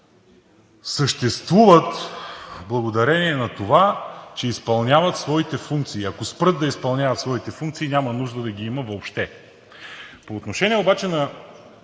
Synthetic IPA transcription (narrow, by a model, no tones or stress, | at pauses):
səʃt̪ɛst̪vuvət̪ | blˠɐɡod̪ɐɾɛniɛnɐt̪ovat͡ʃɛispɐlˠnʲavət̪svɔit̪ɛfuŋk̚t̪siːɐkospɾɤd̪̚d̪ɐispɐlˠnʲjavət̪svɔit̪ɛfuŋk̚t̪siːnʲamɐnuʒd̪əd̪ɐɡiiməvoːpʃt̪ɛ | poːt̪noʃɛnʲiɛobat͡ʃɛnɐ